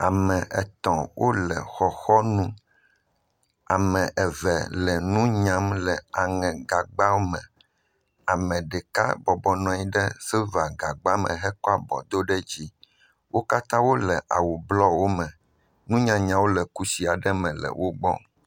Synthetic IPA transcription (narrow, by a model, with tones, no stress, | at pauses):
a˨mɛ̃˨ʔɛ˨t̪ɔ̃˨wʔo˦lɛ̰˨xɔ˨xɔ˦nũ˦ | a˨mɛ̃˨ʔɛ˨vɛ˨lɛ˨nũ˦ɲã˦mlɛ˨a˨ŋɛ̃˨ɡa˨ɡ͡ba˦wo˦mɛ̰̃˨ | a˨mɛ̃˨ɖɛ˨ka̰˦bɔ˨bɔ˨nɔ̃˨i˦ɖɛ˦sɛ˦va˨ɡa˨ɡ͡ba˦mɛ̰̃˨ɦɛ˦kɔ˦a˦bɔ̰˨d̪o˦ɖɛ˦d͡ʑi˦ | wo˦ka˦t̪ã˦wo˦lɛ˨ʔa̰˨wu˨blɔ˦wo˦mɛ̃˨ | nũ˦ɲã˨ɲã˨wo˦lɛ˨ku˦si˨a˨ɖɛ˦mɛ̃˨lɛ̰˨wʔo˦ɡ͡bɔ̰˦